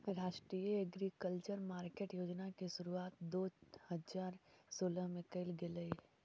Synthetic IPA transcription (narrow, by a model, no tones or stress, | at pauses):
ɾaːʃʈɾiːəeɡɾiːkəlt͡ʃəɾmaːɾkeːʈjoːd͡ʒnakiʃʊɾuaːt̪d̪oːhɐzaːɾsoːləɦmẽkəɪlɡɪləi